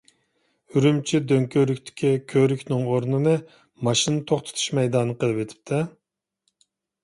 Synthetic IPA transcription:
yɾymt͡ʃʰid̪øŋkʲʰøɾykʲt̪ʰɪ̥kʲʰikʲʰøɾykʲnɪŋoɾnɨnɨ | mɑʃinɨt̪ʰoχt̪ʰɨ̥t̪ʰu̥ʃmɛjd̪ɑnːɨqəlˠɨpet̪ʰɪ̥p̚t̪ʰɛ

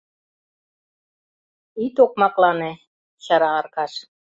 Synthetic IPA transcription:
it̪ok̚mɑklɑne | ɕɑɾɑːrkɑʃ

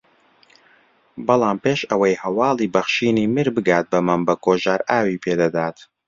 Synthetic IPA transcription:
bɨlˠaːmpeːʃɐwɐjhɐwɑːlˠiːbɐχʃiːniːmɨɾbɨɡaːt̪̚bɐmɐmbɐkoːʒaːɾaːwiːpʰeːd̪ɐd̪aːt̪

